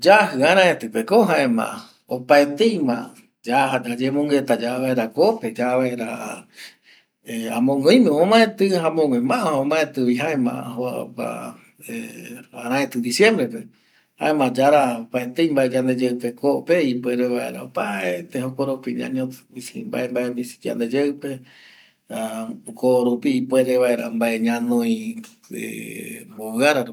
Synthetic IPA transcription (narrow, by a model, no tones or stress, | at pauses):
d͡ʒahɨaɾ̃ãẽt̪ɨpekoɦãʔẽmã̰ʔa | opaet̪eimãʔa | d͡ʒaɦad͡ʒad͡ʒemõŋɡet̪ad͡ʒaβaeɾakoped͡ʒaβaeɾa | eãmõŋõj̃mẽõmãẽt̪ɨɦãmõɡẽmãʔaõmãẽt̪ɨβiɦaemã̰ʔa̰ɦopa̰ | eaɾ̃ãet̪ɨd̪isjẽmbɾepe | ha̰emãd͡ʒaɾapaet̪eimbaʔed͡ʒand̪ed͡ʒepekoʔpeipweɾeβaeɾa̰paet̪ehokoɾopiɲã̰ɲõt̪isimba̰ʔembaʔebisi̥d͡ʒa̰nd̪ed͡ʒeɨpe | akoɾupiːpweɾeβaeɾambaʔeɲãnõjĩ | ḛboβɨaɾaɾ